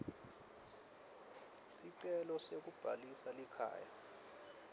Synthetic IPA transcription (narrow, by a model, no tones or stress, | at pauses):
siǀɛlɔsek̬ub̥ʱalisalɛkʰa̰ːja̰